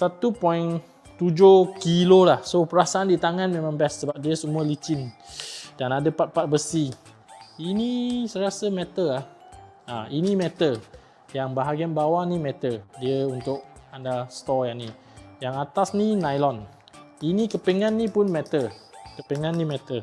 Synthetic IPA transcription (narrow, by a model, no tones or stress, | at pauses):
sat̪upɔin | t̪ud͡ʒokilolahsopəɾasaandit̪aŋãnmẽmãŋbɛsːəbap̚diəsəmuəlit͡ʃɪn | d̥anadəpat̪̚pat̪̚bəsi | inisəɾiasəmɛ̃t̪əlah | ʔainimɛ̃t̪ə | jaŋbaɦaɡianbawanimɛ̃t̪ədiəunt̪ʊk̚andast̪ɔjaŋni | jaŋat̪asninajlɔn | inikəpeŋãnːĩpʊnmɛt̪əkəpeŋãnːĩmɛ̃t̪ə